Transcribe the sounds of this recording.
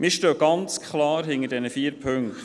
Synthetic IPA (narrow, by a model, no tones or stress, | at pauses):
mɪʃtøːɡ̥ɑnt͡skʰχlɑːɾɦɪŋədɛnəfiːəɾpʰɵŋkt